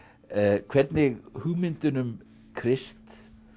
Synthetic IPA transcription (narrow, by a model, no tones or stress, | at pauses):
kʰvɛɾt̪nɪɣhuɣmɪnt̪ʏnʏm | kʰɾɪst̪